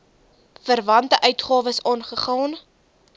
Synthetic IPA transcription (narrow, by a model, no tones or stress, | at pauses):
fərvɐntəʔœɥtχɑːvəsɑnχəχɑːn